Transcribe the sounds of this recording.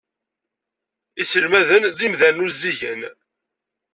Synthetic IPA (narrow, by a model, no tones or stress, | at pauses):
isəlmæðənðimðælnuzːiʝən